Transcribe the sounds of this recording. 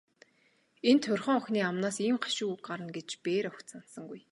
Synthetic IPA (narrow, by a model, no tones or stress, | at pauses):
ent̪ʰʊrχœ̆ːŋɔxniːamnaːsiːmɢḁʃuːɢaɾə̆nɡet͡ɕpeːɾɔkt̪sansə̆ŋɡuj